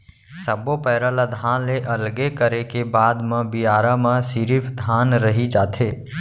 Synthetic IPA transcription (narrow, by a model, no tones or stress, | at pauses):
səbopɛːɾəlad̪ʱãːnleʔɐlɡekəɾekebaːd̪mãbijaːɾamãsiɾipʰd̪ʱaːnɾəɦid͡ʒaːt̪ʰeː